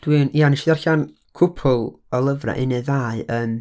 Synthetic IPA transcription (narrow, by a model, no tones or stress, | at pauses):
d̥wɨːnianɪʃðɛrɬan | kʰʊpʰʊlˠ | ɔlˠəvra̰ʔɪneðaːɨəːm